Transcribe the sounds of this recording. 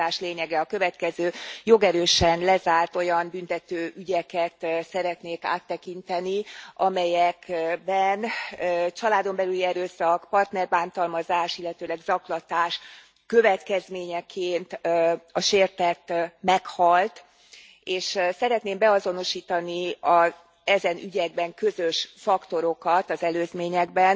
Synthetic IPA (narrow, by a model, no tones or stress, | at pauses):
aːʃleːɲɛɡɛɒkø̞vɛt̪kɛzøːjo̞ɡɛɾøːʃɛnlɛzaːrt̪o̞jɒmbynt̪ɛt̪øːʔyɟɛkɛt̪sɛɾɛt̪neːka̰ːt̪ːɛkint̪ɛniʔɒmɛjɛkbɛnt͡ʃɒlaːd̪o̞mbɛlyliɛɾøːsɒkpɒrt̪nɛrbaːnt̪ɒlmɒzaːʃilːɛt̪øːlɛɡzɒklɒt̪aːʃ | kø̞vɛt̪kɛzmeːɲɛkʰeːnt̪ɒʃeːrt̪ɛt̪ːmɛkhɒlt̪ | eːʃsɛɾɛt̪neːmbɛɒzo̞no̞ʃiːt̪ɒniɒz | ɛzɛnyɟɛɡ̚bɛŋkø̞zø̞ʃfɒkt̪o̞ɾo̞kɒt̪ɒzɛløːzmeːɲɛɡ̚bɛn